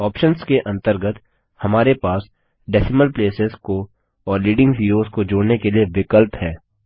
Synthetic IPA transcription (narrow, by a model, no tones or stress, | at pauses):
ɔːpʃənskeʔɐ̃nt̪əɾɡət̪ | hɐmaːɾepaːs | ɖɛsɪməlpleːsɪzko | ɔːɾliːɖɪ̃ŋɡɦiːɾoːzkod͡ʒoːɽnekelijeʋɪkəlphɛː